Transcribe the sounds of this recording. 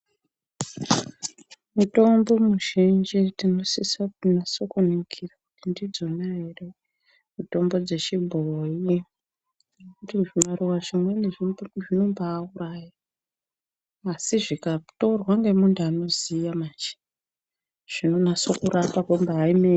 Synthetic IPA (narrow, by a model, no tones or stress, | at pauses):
muto̞mbo̞muʒind͡ʒitino̞sisanaso̞kunikʰirakutindid͡zo̞naɦere | muto̞mbo̞d͡ze̞t͡ʃibʱoji | nekutiʐimaɾiwaʐimwe̞neʐiʐino̞mbaːuraːja | siʐikatorwaŋɡe̞muntuano̞zijamat͡ʃe̥ | ʐ̥inonaso̞kuɾapakombaɦaime